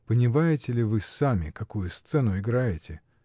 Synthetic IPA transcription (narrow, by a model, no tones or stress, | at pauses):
pənʲɪmajɪtʲɪlʲɪvɨsamʲɪkɐkujʊst̪sɛnʊɪɡɾajɪtʲɪ